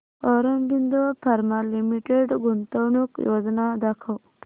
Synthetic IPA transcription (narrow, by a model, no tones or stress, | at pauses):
oɾanbind̪opaɾmalimiʈeɖɡunt̪ownukjod̪nad̪akʰaw